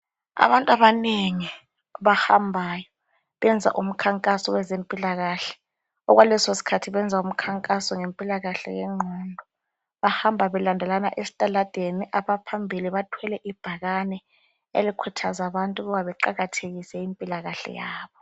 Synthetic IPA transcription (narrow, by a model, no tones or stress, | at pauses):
a̰βantʼaβaneŋi | βahambʱaːjɔ | βɛnd͡zʱa̰ʔum̩kʰaŋkʼasɔwɛzempʼilaɣaːɬɛ̥ | ɔɣwalɛsosi̥kʰatʰiβɛnd͡zʱaum̩kʰaŋkʼasɔŋempʼilaɣaɬɛ̰jɛ̰ŋ͡ǃʱɔːndʱɔ | βahambʱaβɛlandʱɛlanaʔesi̥tʼalad̥ʱeniʔaβapʰambʱiliβatʰwɛlɛʔib̥ʱaɣanɛ | ḛlikʰutʰazaβantʼuɣɔβaβɛǃaɣatʰeɣisɛimpʼilaɣaɬɛ̰jaːβɔ